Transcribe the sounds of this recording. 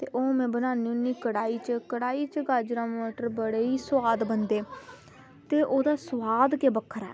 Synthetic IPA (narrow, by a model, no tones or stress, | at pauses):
t̪ḛːʔoːmɛ̃ːbənaːniːʊnːiːkəɽaːiːt͡ʃəkəɽaːiːt͡ʃəɡaːd͡ʒɾãːmoːʈəɾbəɽeːiːsʋaːd̪bənd̪eː | t̪eːʔoːd̪aːsʋaːd̪keːbəkʰːəɾɛ̰ː